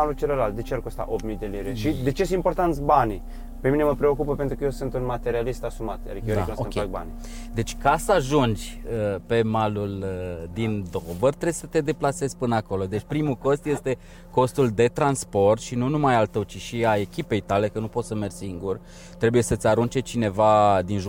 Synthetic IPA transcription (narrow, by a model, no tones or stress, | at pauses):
alult͡ʃeleɾald̪e̞t͡ʃearkost̪a̰ʔop̚mijd̪e̞liɾeʃid̪e̞t͡ʃes̬impo̞rt̪ant̪sʲbani | pemineməpɾeo̞kupəpent̪ɾukəjewsɨnt̪unmat̪e̞ɾialist̪asumat̪a̰ikʲeoɾeaknusoəmkeak̚ba̰ni | d̪e̞t͡ʃʲkasəaʒund͡ʒʲəpe̞maluld̪ind̪ovərt̪ɾesə̥t̪e̞d̪e̞plase̞zʲpɨnako̞lo̞d̪e̞t͡ʃʲpɾimuko̞st̪je̞st̪e̞ | ko̞st̪uld̪e̞t̪ɾanspo̞rt̪ʃinunumajalt̪əwt͡ʃiʃiae̞kʲipe̞jt̪ale̞kənupo̞t̪səmerʲsiŋɡur | t̪ɾe̞buje̞sət̪sʲaɾunt͡ʃe̞t͡ʃine̞vad̪inʒ